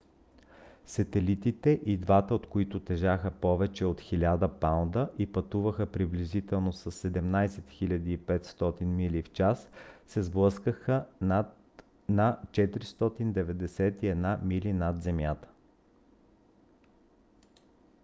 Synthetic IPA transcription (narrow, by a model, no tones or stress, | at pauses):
sɐt̪ɛlit̪it̪ɛʔid̪vat̪əot̪koit̪ʊt̪ɛʒaxəpɔvɛt͡ʃɛot̪xilʲad̪əpand̪əʔipɐt̪uvəxəpɾiblizit̪ɛlˠnosɐsːɛd̪ɛmnajsɛt̪xilʲɐd̪iːpɛt̪st̪ɔt̪inmilift͡ʃasːɛzblˠəskəxət̪ | nat͡ʃɛt̪ɾist̪ɔt̪ind̪ɛvɛd̪ɛsɛt̪iɛd̪namilinad̪zɛmjat̪ə̥